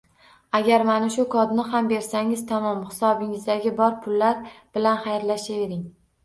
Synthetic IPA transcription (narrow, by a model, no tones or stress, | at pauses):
aɡʲaɾmanaʃʊkʰɒd̪nɪɦambe̞ɾsaŋɪzt̪ʰamɒmχɪ̥sɒbɪŋɪzd̪aɡʲɪbɒɾpʰʊlːaɾb̥ɪlanχajɾlaʃave̞ɾɪŋ